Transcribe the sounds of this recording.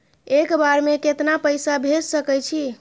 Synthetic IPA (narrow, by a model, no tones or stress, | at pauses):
ekbaɾmeket̪napəjsabʱed͡ʒsəkɛjt͡ʃʰi